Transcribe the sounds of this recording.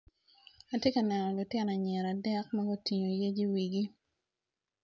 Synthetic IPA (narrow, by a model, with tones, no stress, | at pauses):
a˨tje˦ka˨nɛ˨nɔ˨lʊ˨tjɛ˦na˨ɲɛ˨ɾa˨dɛ˦k̚ma˦ɡo˦ti˨ɲo˨je˦d͡ʒi˦wi˨ɡi˦